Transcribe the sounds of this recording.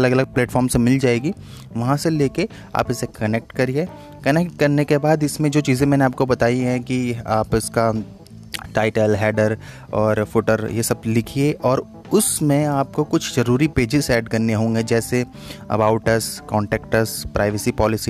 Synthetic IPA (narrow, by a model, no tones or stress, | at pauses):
ɐləɡɐləɡ̚plɛːʈfɔːɾmsemɪld͡ʒaːeːɡi | ʋɐɦãseleːke | a̰ːpɪsekɐnek̚ʈkɐɾie | kɐnɛk̚ʈ̚kɐɾnekebaːd̪ɪsmẽd͡ʒoːt͡ʃiːzẽmɛːneaːp̚kobɐt̪aːiɦɛ̃kiaːpɪska | ʈaːɪʈəlɦɛːɖəɾ | ɔːɾfʊʈəɾjesɐb̚lɪkʰieʔɔːɾ | ʊsmẽaːp̚kokʊt͡ʃʰzɐɾuːɾipeːd͡ʒɪzɛːɖkɐɾneɦõːŋɡed͡ʒɛːse | ɐ̰baːʊʈəɾskɔ̃ːɳʈɛːkʈəspɾʔaːɪʋəsipɔːlɪsi